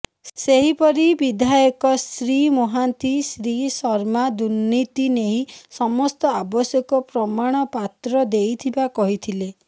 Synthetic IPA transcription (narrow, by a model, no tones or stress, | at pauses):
seɦipɔɾibid̪ʱajɔkɔsɾimɔɦant̪isɾisɔɾmad̪unːit̪ineɦĩsɔmɔst̪ɔabɔsjɔkɔpɾɔmaɽ̃ɔpat̪ɾɔd̪ejt̪ʰibakɔɦit̪ʰile